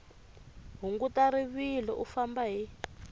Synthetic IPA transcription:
ɦuŋɡutaɾiβilɔʔufambaɦi

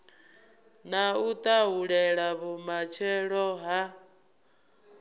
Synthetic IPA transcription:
naut̪ʼaɦuɺɛɺaβumat͡ʃʰɛɺɔɦa

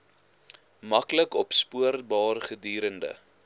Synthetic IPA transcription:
mɐkləkɔpspuərbɑːrχədyːɾəndə̰

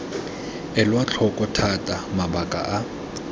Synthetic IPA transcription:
ɛlwat͡ɬʰɔkʼɔtʰatʼamabakʼa̰ʔa

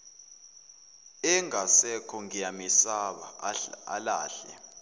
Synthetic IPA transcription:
ɛŋasɛkʰɔŋijamisaɓa̰a̰la̰ːɬɛ̰

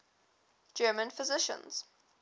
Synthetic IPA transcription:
d͡ʒɜːmə̃nfɪzɪʃə̰̃nz̥

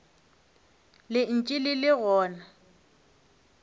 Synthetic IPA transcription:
lɪn̩t͡ʃʼɪlɪlɪɣɔːna

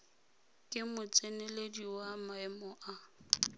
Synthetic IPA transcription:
kʼɪmʊt͡sʼenɛlediwamaɛmɔʔa

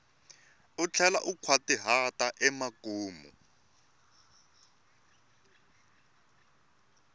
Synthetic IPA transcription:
ut͡ɬʰɛlaʔukʰwatiɦataʔɛmakuːmṵ

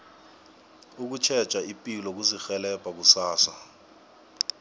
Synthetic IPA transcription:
uk̬ut͡ʃʰɛ̥t͡ʃʼaipʼilɔk̬uzixɛlɛb̥ʱʼak̬usaːswa

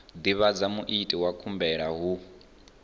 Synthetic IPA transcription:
d̪iβad͡zamuʔitʼiwakʰumbɛɺaɦu

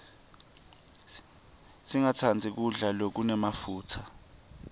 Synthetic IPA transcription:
siŋatʰand͡zʱik̬uɮalok̬unɛmafuːtʰa

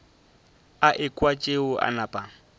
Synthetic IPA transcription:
aʔɪkʼwat͡ʃʼeʊʔa̰napʼa

